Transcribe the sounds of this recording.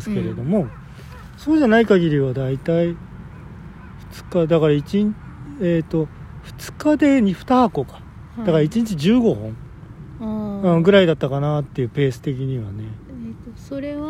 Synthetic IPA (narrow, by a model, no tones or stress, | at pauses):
sɨ̥ke̞ɾe̞d̪o̞mo̞ | so̞ːʑanaikaɡʲiɾʲiβad̪ait̪ai | ɸɯ̟̥t͡sɨ̥kad̪akaɾait͡ɕiɲeːt̪ːoɸɯ̥t͡sɨ̥kad̪e̞ɲ̟iɸɯ̟̥t̪ako̞kḁ | d̪̥akaɾait͡ɕiɲ̟it͡ɕiʑɨːɡo̞hõɴ | ɯ̃ɡɯ̟ɾaid̪at̪ːakanat̪ːe̞jɯ̟ːpe̞ːsɨ̥t̪e̞k̬ʲiɲ̟iβane̞ | ɾe